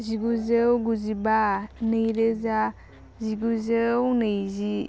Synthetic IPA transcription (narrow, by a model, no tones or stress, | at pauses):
ziɡuzewɡuzibanejɾeza | ziɡuzewnejzi